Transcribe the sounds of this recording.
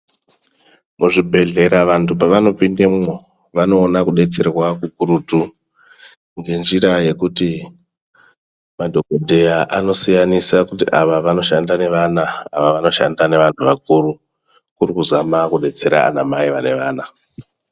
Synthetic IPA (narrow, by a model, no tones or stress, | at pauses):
muʐibʱe̞ɮe̞ɾaʋantʰupaʋano̞pindemo | ʋano̞ːnakuɗe̞t͡se̞rwakukuɾutu | ŋɡe̞nd͡ʒiɾaje̞kuti | madʱo̞kodʱe̞jaʔano̞sijanisakutiʔaʋaʋano̞ʃandane̞ʋana̰ːʋaʋano̞ʃa̰ndane̞ʋantʰuʋakuɾu | kurikuzamakuɗe̞t͡se̞ɾa̰ːnamaiʋane̞ʋaːna